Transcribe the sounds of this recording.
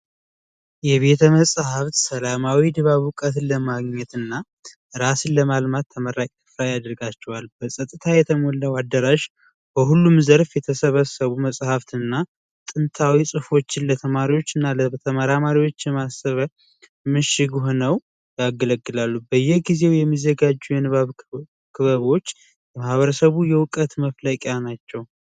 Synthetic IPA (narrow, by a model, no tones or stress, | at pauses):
jɛβe̞t̪ʰəməsʼhaft̪səlamawid̪ɨβaβukʼət̪lːəmaɡɲɛt̪ɨnːa | ɨɾasɨnləmalmat̪ʰːəməɾakʼɨfɾajad̪ɾɡat͡ʃːɛwalbəsʼət̪ʼːɨt̪ʰajɛt̪ʰəmolːəwad̪ːəɾaʃ | b̥əɦulːumzəɾfjɛt̪ʰəsəβəsəβuməsʼhaft̪ɨnːa | t̪ʼɨnt̪ʰawisʼɨfo̞t͡ʃːɪnlət̪ʰəmaɾiwo̞t͡ʃːɨnːalət̪ʰəmaɾamaɾiwo̞t͡ʃːjɛmasəβ | mɨʃɪɡɦonəw | jaɡələɡːɨlalːubəjːɛɡize̞wjɛmːizəɡad͡ʒːujɛnɨβaβ | kʰɨβəβo̞t͡ʃː | ləmahβəɾəsəβujɛwʊkʼət̪məfləkʼjanat͡ʃːɛw